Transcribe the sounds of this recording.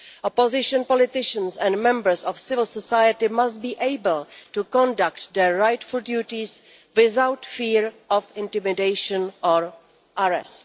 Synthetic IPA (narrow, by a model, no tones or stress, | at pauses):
ʔɔpozɪʃɔ̃npɔlɪtɪʃə̃nsɛ̃ndmɛ̃mbəɹsɔfsɪvɪl̩sɔsajətɪmast̚biːʔejbəl̩tukɔ̃ndaktd̪ɛɹɹajtfʊldjuːtɪs | wɪθawtfiːɹʔɔfɪ̃ntɪmɪdejʃə̃nʔɔɹ | ʔaɹɛ̰st